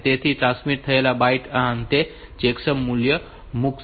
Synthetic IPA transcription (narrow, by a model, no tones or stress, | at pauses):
t̪et̪ʰiʈɾãnsmiʈ̚t̪ʰɐelabaiʈaɦant̪e | t͡ʃeksəmːuljə | muk